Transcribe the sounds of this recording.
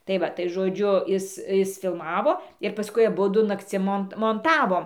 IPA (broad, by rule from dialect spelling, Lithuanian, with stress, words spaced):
tɐɪ ˈʋɐ tɐɪ ʒoːˈd͡ʒʲʊ ˈɪs ˈɪs fʲɪlˠˈmɑːʋoː ɪr pɐˈskʊɪ ɐˈbʊdʊ nɐkˈt͡sʲɪm ˈmoːnt moːnˈtɑːʋoːm